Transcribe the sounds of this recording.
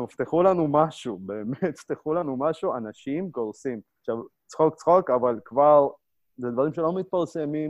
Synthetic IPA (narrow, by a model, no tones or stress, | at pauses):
ft̪eχulanumaʃubeːmet̪ft̪eχulanumaʃuanaʃimkoʁsimaχʃav | t͡sχo̞k̚t͡sχokavalkvaʁ | zed̪vaʁimʃelo̞mit̪̚paʁse̞mim